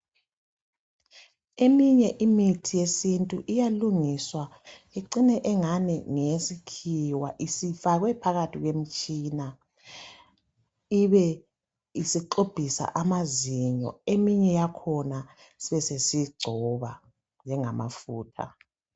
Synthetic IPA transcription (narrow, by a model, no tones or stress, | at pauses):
emiɲɛʔimitʰijesintʼuʔijaluŋiswa | eǀinɛʔɛŋanɛŋesikʰiwa̰ʔisifaɣwɛpʰaɣatʰiɣwem̩t͡ʃʼina | iβɛ | isiǃob̥ʱisa̰ʔamaziɲɔ̰emiɲɛjakʰɔna | siβɛsesiɡ͡ǀʱɔβa | nd͡ʒʱɛŋamʔa̰fuːtʰa̰